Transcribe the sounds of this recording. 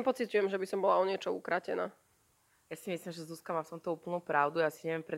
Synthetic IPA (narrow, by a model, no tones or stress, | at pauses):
pɔt͡sicujɛmʒɛbisɔmbɔlaɔɲɪɛt͡ʃɔṵkɾacɛ̰na̰ː | jasimislimʒɛzuskamaːft̪ɔmt̪ɔuːpl̩nupɾaʊd̪uasiɲɛʋɪɛmpɾɛ